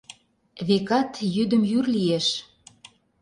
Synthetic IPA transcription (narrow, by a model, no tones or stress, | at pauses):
βekɑt̪jyd̪ə̆mjyrlieʃ